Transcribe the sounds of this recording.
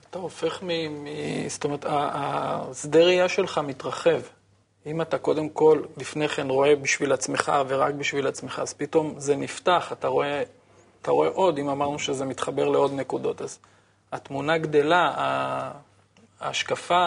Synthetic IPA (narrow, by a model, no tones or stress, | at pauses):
at̪aofe̞χmimist̪omeʁet̪aːsd̪e̞ʁijaʃe̞lχamit̪ʁaχe̞v | imat̪ako̞de̞mko̞llifneχe̞nʁo̞e̞biʃvilat͡sme̞χa̰ve̞ʁak̚biʃvilat͡smeχaːz̥pit̪o̞mze̞niftaχat̪aʁo̞e̞ | at̪aʁo̞e̞ʔo̞d̪imamaʁnuʃeze̞mit̪χabe̞ʁleo̞d̪ne̞kud̪o̞t̪az | at̪munaɡd̪e̞laa | ʃkafa